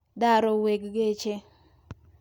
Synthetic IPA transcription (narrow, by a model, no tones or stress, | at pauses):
daɾoweɡɡet͡ʃe